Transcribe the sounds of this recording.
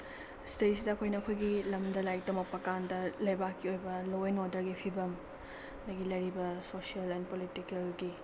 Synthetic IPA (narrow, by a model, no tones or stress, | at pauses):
stesidɐɐkʰojnɐːkʰojɡilɐmdɐlajk̚tɐmɐk̚pɐkandɐlɐjbakːiojbɐloenoɾdɐɾɡipʰibɐm | dɐɡilɐjɾibɐsosiɐlendpolitikɐlɡi